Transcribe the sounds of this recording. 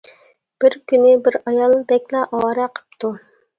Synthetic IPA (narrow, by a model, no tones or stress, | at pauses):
b̥ɪɾkʲynɪbɪɾɑjɑlˠbɛkʲlˠɑʔɑwɑːɾɛqʰə̥p̚t̪ʰu